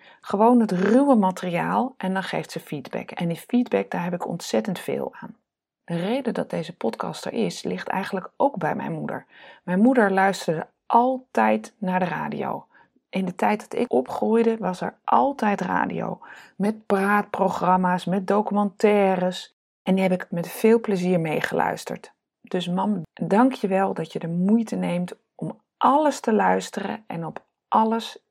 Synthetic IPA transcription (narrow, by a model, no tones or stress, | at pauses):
χəʋownɦətrywəmatəriaːlˠʔɛndɑnχḛjftsəfidbɛ̰kɛ̰ndifidbɛk̚daːɹɦɛpɪkɔ̰ntsɛtəntfɪ̰ːlˠaːn | d̥ərejdədɑt̚dejzəpɔtkɑ̰stə̰ɹʔɪslɪχtɛ̰jχənləkʔowɡ̚bɛjmɛ̰jnmudə̰ɹmɛjnmudəɹlœɥstəɹdə̰ | ʔɑlˠtɛjtnaːɹdəra̰ːdḭo̰w | ʔɪndətɛjt̚dɑtɪ̰kɔpχrujdəʋɑsɛ̰ɹʔɑlˠtɛjtra̰ːdḭo̰wmɛt̚praːt̚proχrɑmaːsmɛt̚dowkymɑntɛːrəs | ʔɛndiɦɛpɪkmɛtfɪːlˠpləziːɹmejχəlœ̰ɥstə̰ɹt | d̥ɵsmɑmdɑŋkʰjəʋɛlˠdɑtjədəmujtənejmt | ʔɔm | ʔɑləstəlœɥstərə̰ʔɛ̰nɔp | ʔɑləs